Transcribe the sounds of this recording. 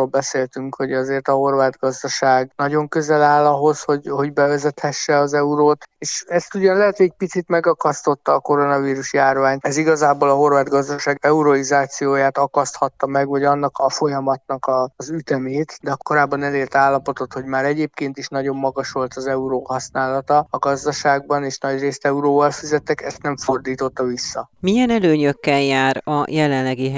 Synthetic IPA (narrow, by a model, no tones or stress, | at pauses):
oːlbɛseːlt̪yŋkho̞ɟɒzeːrt̪ɒɦo̞rvaːd̪ɡɒzd̪ɒʃaːɡnɒɟo̞ŋkøzɛlaːlɒɦo̞sho̞ɟho̞ɟbɛvɛzɛt̪hɛʃːɛɒzɛuɾoːt̪eːʃɛst̪uɟɒnlɛɦɛt̪hoɛc̚pit̪sit̪mɛɡɒkɒst̪o̞t̪ːɒːko̞ɾo̞nɒviːɾuʃjaːrvaːɲt̪ɛziɡɒzaːboːlɒɦo̞rvaːd̪ɡɒzd̪ɒʃaːɡɛuɾoizaːt̪sijoːjaːt̪ɒkɒst̪hɒt̪ːɒmɛɡvɒɟɒnːɒkɒfo̞jɒmɒt̪nɒkɒzyt̪ɛmeːt̪d̪ɛɒko̞ɾaːbːɒnɛleːlt̪aːlːɒpo̞t̪o̞t̪hoɟmaːɾɛɟeːpkeːnt̪iʃnɒɟo̞mːɒɡɒʃʋo̞lt̪ɒzɛuɾoːɦɒsnaːlɒt̪ɒɒɡɒzd̪ɒʃaːɡ̚bɒneːʃnɒɟreːst̪ɛuɾoːvɒlfizɛt̪ːɛkɛst̪nɛɱfo̞rd̪iːt̪o̞t̪ːɒvisːɒmijɛnɛløːɲøkːɛljaːɾɒjɛlɛnlɛɡiɦɛ